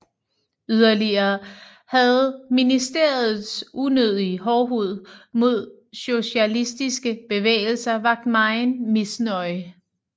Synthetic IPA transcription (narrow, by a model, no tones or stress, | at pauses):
yð̞ˠɐliɐː | hæð̩ˠminisd̥e̝ɐ̰ð̩ˠsʔunøð̞ˠiɦɒːɦuð̞̰ˠmo̝ð̞̰ˠ | ɕo̝ɕælisd̥isɡ̥əb̥e̝ʋḛːɪl̩sɐʋɑ̈ɡ̥̚d̥mɑ̈ɪnmisnɒɪ